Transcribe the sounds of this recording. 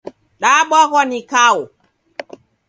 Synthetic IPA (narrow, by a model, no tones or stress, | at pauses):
ɗaːɓɔkɔnikawɔ